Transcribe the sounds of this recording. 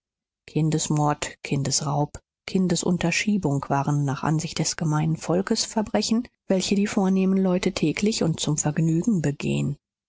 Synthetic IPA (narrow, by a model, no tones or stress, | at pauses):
kʰɪndəsmɔɐtkʰɪndəsʁaʊp | kʰɪndəsʔʊ̰ntɐʃiːbʊŋkv̥aːʁənːaːχʔa̰nzɪçt̚d̥ɛsɡ̥əmaɪnənfɔlkəsfɛɐbʁɛçn̩ | v̥ɛlçədiːfoːɐneːmənlɔʏtətʰɛːkʰlɪçʊnt̚t͡sʊmfɛɐɡnyːɡŋ̩bəɡḛːən